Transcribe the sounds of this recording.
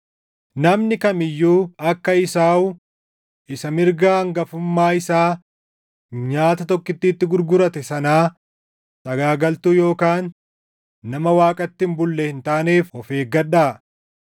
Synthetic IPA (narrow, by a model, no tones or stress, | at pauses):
nɐmnɪkɐmɪjːuːɐkːɐɪsaːʊ | ɪsɐmɪɾɡaːɐŋɡɐfʊmːaːɪsaː | ɲaːt̪ɐt̪ɔkːɪt̪ːiːt̪ːɪɡʊɾɡʊɾɐt̪ɛsɐnaː | t̪ɐɡaːɡɐlt̪ujo̞ːkaːnː | ɐmɐwaːkʼɐt̪ːɪmbʊlːɛhɪnt̪aːneːfhɔfe̞ːɡɐᶑaː